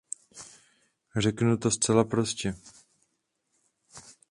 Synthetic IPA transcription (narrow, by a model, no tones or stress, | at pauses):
r̝ɛknut̪o̞st͡sɛlapɾo̞scɛ